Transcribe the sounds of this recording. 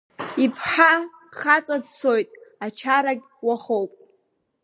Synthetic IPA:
ipʰħa | χat͡sʼadt͡sʰojtʼat͡ʃʰaɾaɡʲwaχowpʼ

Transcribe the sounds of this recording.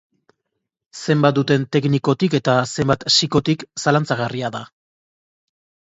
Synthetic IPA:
se̞mbat̪̚d̪ut̪e̞nt̪e̞kniko̞t̪ike̞t̪ase̞mbat̪siko̞t̪iksalant͡saɣariaða

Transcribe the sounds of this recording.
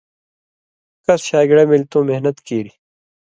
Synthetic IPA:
kɐsɕaːɡɽɐmilt̪õːmeɦnɐt̪kiːɾi

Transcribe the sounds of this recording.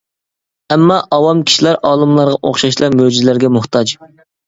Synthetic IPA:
ɛmːɑʔɑwɑmkʲʰi̥ʃilæɾʔɑːlˠɨmlˠɑɾʁɑʔo̰χʃɑʃlˠɑɾmød͡ʒizlæɾɡʲɛmuht̪ʰɑd͡ʒ

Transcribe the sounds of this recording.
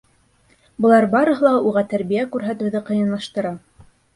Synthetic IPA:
bɤ̆lˠɑɾbɑɾɤ̆ɦɤ̆lˠɑuʁɑt̪æɾβijækʉɾɦæt̪ɘ̆wðɘqɤ̆jɤ̆nlˠɑʃt̪ɤ̆ɾɑ

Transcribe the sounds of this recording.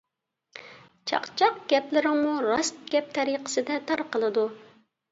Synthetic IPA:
t͡ʃʰɑ̰qt͡ʃʰɑqɡʲɛplɪɾɪŋmuɾɑst̪̚ɡʲɛp̚t̪ʰɛɾiqə̥sɨd̪ɛt̪ʰɑɾqəlˠɨd̪u

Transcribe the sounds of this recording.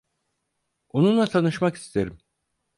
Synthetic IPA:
onunlˠat̪ʰanɯʃmaki̥st̪ʰeɾim

